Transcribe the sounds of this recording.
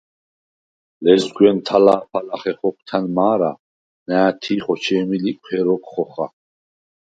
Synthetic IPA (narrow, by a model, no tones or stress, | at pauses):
lɛzɡwɛnt̪ʰalaːpʰalaχɛχɔkʰt̪ʰanmaːɾa̰ | næːt̪ʰiːχɔt͡ʃʰɛːmilikʰʷʼɛɾɔkʼχɔχa̰